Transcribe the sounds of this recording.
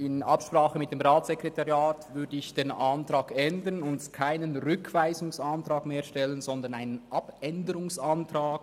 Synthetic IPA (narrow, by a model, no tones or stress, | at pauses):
ɪnʔɑpʃpʁaːχəmɪt̚d̥eːmʁaːt͡sɛkʁɛtɑʁjaːtvʏɐdəɪçd̥eːnʔantʁaːɡɛndənʊntkʰaɪnənʁʏkʰv̥aɪzʊŋsantʁɑːɡmeːɐʃtɛlənzɔnd̪ɐnaɪnənʔɑpɛndəɾʊŋsantʁaːɡ